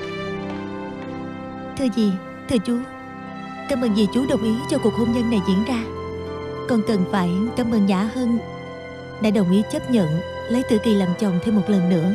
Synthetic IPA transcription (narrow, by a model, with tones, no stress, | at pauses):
t̪ʰɨ˧əzi˨˩ | t̪ʰɨ˧ət͡ɕu˨˦ | kaː˧mʔə˨˩nzi˨˩t͡ɕu˨˦ɗə˨˩wŋ͡mʔi˨˦t͡ɕɔ˧ku˨˩ək̚ho˧mzə˧nːa˨˩jzḭ˧˥ənzaː˧ | kɔ˨˩nt̪ɨ˨˩ŋfaː˧˩jkaː˧mʔə˨˧˩nzaː˧˥hə˧n | ɗa̰ː˧˥ɗə˨˩wŋ͡mʔi˨˦t͡ɕə˦˥p̚ɲə̰˧˨n | lə˨˦jt̪ɨ̰˧˩ki˨˩la˨˩mt͡ɕə̰˨˩wŋ͡mt̪ʰɛ˧wmo˨˩t̚lə˨˩nːɨ̰˧˥ə